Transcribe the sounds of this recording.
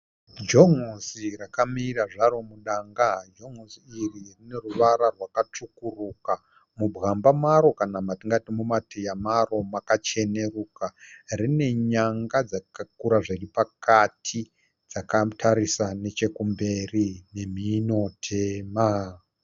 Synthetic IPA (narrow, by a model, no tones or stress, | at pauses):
d͡ʒoŋosiɾakamiːɾaʐaɾo̞muɗaŋɡad͡ʒo̞ŋosiːririne̞ruʋaɾarwakat͡ʂukuruka | mubʱɣambamaɾo̞kanamatiŋɡatimumatʰejamaro̞makat͡ʃe̞ne̞ruːkarine̞ɲaŋɡad͡zakakuɾaʐiripakatʰi | d͡zakatʰaɾisane̞t͡ʃe̞kumbe̞rine̞m̤ino̞tʰe̞ːma